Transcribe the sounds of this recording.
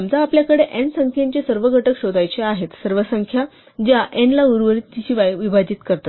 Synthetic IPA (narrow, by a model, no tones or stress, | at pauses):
md͡z̪aːpljakəɽeʔensəŋkʰjaɲt͡ɕesəɾʋəɡʱəʈəkɕod̪ajt͡ɕeaɦet̪səɾʋəsəŋkʰja | d͡ʑaʔenlauɾʋənit̪ːiɕiʋajʋibʱad͡ʑiːt̪kəɾt̪a